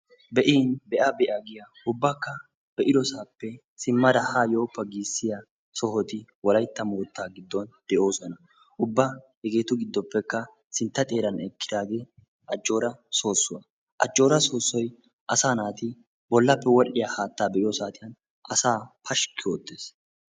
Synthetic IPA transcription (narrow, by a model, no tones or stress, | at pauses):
bɛʔiːnbɛʔɐbɛʔɐɡɪja | ʊbːakːɐ | b̥ɛʔɪd̪ɔsaːpːɛ | sɪmːɐd̪ɐhaːjo̞ːpːɐɡiːsːɪjɐ | sɔhɔt̪ɪwɔlɐjt̪ːɐmoːt̪ːaːɡɪd̪ːɔnd̪̥ɛʔo̞ːsɔnɐ | ʔʊbːa | ɛɡe̞ːt̪ʊɡɪd̪ːɔpːɛkːɐ | sɪnt̪ːɐt̪ʼe̞ːɾɐnɛkːɪd̪aːɡeː | ʔɐd͡ʒːo̞ːɾɐso̞ːsːʊwɐ | ʔɐ̰d͡ʒːo̞ːɾɐso̞ːsːɔj | ʔɐsaːnaːt̪ɪ | bɔlːɐpːɛwɔᶑɪjahaːt̪ːaːbɛʔɪjɔsaːt̪ɪjɐn | ɐsaːpʰɐʃkːɪoːt̪ːe̞ːs